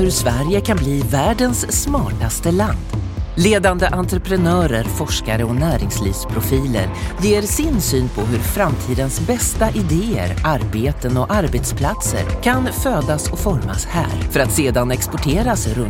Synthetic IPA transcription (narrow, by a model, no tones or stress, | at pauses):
hɵɾsvæɾjəkʰanbliːvæːɖənsːmɑːʈast̪əland̪leːd̪and̪əʔant̪ɾəpʰɾɛnœːɾəɾfɔʂkaɾəɔnæːɾɪŋslḭːvspʰɾʊfiːlə̰ɾjeːɾsɪnsyːnpʰɔɦɵɾfɾamt̪ʰiːd̪ənsbɛst̪aʔɪd̪eːə̰ɾaɾbeːt̪ənɔʔaɾbeːt̪spʰlat̪sə̰ɾkʰanføːd̪asɔfɔɾma̰shæ̰ːɾfœɾat̪seːd̪anɛkspɔʈʰeːɾasɾɵ